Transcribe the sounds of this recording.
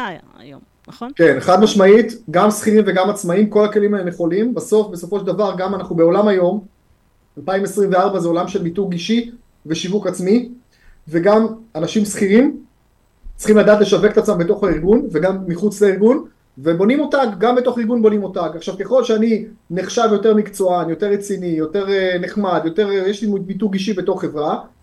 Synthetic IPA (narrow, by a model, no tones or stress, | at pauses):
jom | ke̞neχad̪maʃmait̪ɡamsχiʁimveɡamat͡smaimko̞lake̞limaemjeχo̞limbaso̞fbe̞so̞fo̞ʃeld̪avaʁɡamanaχnubeo̞lamajo̞m | alpaimesʁimveaʁbazeo̞lamʃelbituɡiʃi | ve̞ʃivukat͡smi | ve̞ɡamanaʃimsχiʁim | t͡si̥χimlad̪aːt̪le̞ʃave̞kt̪at͡smambet̪o̞χaiʁɡunve̞ɡamːiχut͡sleiʁɡun | ve̞bo̞nimo̞taɡɡambet̪o̞χiʁɡunbo̞nimo̞t̪aɡaχʃavke̞χo̞lʃeani | neχʃavjo̞teʁmikt͡so̞anjo̞t̪e̞ʁːet͡sinijo̞te̞ʁneχmad̪jo̞te̞ʁjeʃlimmituɡiʃ̬ibeto̞χːe̞vʁa